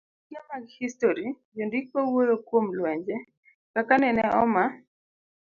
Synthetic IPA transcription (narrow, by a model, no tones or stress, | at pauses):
kamaɡhistoɾi | d͡ʒondik̚powojokwomlwɛɲd͡ʒɛ | kakanɛnɛʔɔma